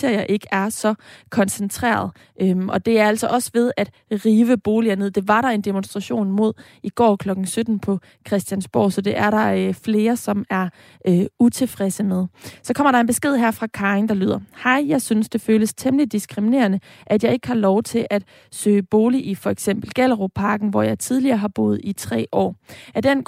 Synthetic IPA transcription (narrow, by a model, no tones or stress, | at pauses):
eɐ̰jɐʔe̝ɡ̥əæɐsɒ̽kʰɒ̽nsent͡sʰʁɛ̰ːɐðˠ | ʔømʔɒ̽d̥e̝æɐæl̰sɒ̽ʔɒ̽sʋe̝ð̞ˠæd̥ | ʁiːʋəb̥o̝ːliɐne̝ð̰ˠd̥e̝ʋɑ̈ɾɑ̈e̝nd̥e̝monsd̥ʁɑ̈ɕo̝̰ːnmo̝ð̞̰ˠ | iɡ̥ɒ̰ːkʰlɒ̽ɡ̥ŋ̩sød̥n̩pʰɒ̽ | kʰʁɛsd̥jænsb̥ɒ̰ːsɒ̽d̥e̝ʔæɐɾɑ̈øfle̝ːɐsɒ̽mæɐ | ʔøut͡sʰe̝fʁɛsəmeð̞ˠsɒ̽kʰɒ̽m̰ɐɾ̥ɑ̈e̝nb̥e̝sɡ̥e̝ð̞̰ˠɦæɐ̰fʁɑ̈kʰɑ̈eŋd̥ɑ̈ly̰ːð̰ˠɐhɑɪ̰jɑ̈ɪsynsd̥e̝føːləst͡sʰeməlid̥isɡ̥ʁimine̝̰ːɐnə | ʔæd̥jɑ̈ɪe̝ɡ̥əhɑ̈lɒʊt͡sʰe̝lʔæd̥ | sø̰ːəb̥o̝ːliʔifɒ̽eɡ̥sem̰b̥l̩ɡ̥æləʁo̝pʰɑ̈ɡ̥n̩ʋɒjɑ̈ɪt͡sʰið̞ˠliɐːɦɑ̈b̥o̝̰ːð̞̩ˠit͡sʰʁɛ̰ːʔɒ̰ːæd̥en